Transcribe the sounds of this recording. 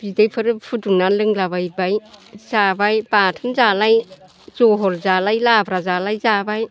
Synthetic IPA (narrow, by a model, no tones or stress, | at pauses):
b̥idajpʰɯɾɯpʰutuŋnalɯŋlaβajbajzabajpatʰɯnzalaj | zɔɦɔlzalajlabɾazalajzabaj